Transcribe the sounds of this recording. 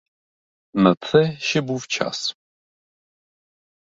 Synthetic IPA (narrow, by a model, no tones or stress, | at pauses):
nɐt͡sʰɛʃɪbuft͡ʃʰa̰s